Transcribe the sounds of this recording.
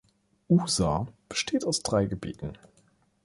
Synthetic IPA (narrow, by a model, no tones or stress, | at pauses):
ʔuːzaːb̥ə̥ʃtʰeːtaʊsd̥ʁaɪɡəbḭːtn̩